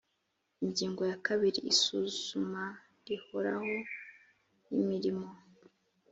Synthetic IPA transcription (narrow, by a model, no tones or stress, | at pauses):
iɲɟiːŋɡo̞jakaβiɾḭːsuz̥uma | ɾihoɾa̰ho̞ | imiɾimo̞